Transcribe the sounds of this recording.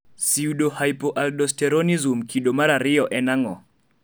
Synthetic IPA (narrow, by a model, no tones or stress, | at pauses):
siudohajpɔʔaldɔstɛɾɔnizumkʰiɗɔmaɾaɾiɔʔɛnaŋɔ